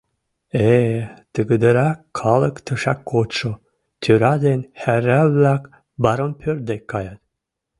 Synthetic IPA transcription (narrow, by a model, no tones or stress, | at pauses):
et̪əɡəd̪əɾɑkʰːɑləkt̪ʰəʃɑkːot̪ʃo | t̪ʰyɾɑd̪enhæɾæβlæk | bɑɾompʰøɾd̪ekːɑjɑt̪